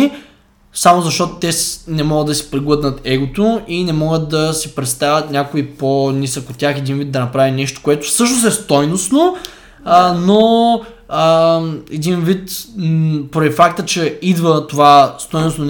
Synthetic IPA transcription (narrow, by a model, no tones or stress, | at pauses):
i | samozɐʃt̪ɔt̪o̥t̪ɛsnɛmɔɡəd̪ɐsi̥pɾiɡlˠɤd̪nət̪ɛɡot̪oinɛmɔɡət̪̚d̪ɐsipɾɛt̪st̪avʲət̪nʲakʊiponʲisəkot̪ʲːjaxɛd̪invid̪ɐnɐpɾavinɛʃt̪o̥koɛt̪ʊ̥sɤʃ̬nosɛst̪ɔjnosno | əno | əɛd̪invit̪ | poɾɛd̪ʲifakt̪ət͡ʃɛid̪vət̪ovast̪ɔjnosnon